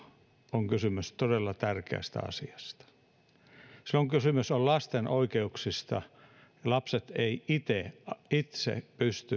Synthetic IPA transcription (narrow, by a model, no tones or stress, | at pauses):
oŋkysymyst̪odelːɑt̪ærkḛæ̰st̪æ̰ɑ̰siɑst̪ɑ̥ | soŋkysymysollɑst̪enʔoikeuksist̪ɑ̰ | jɑlɑpset̪eiit̪eit̪sḛpyst̪y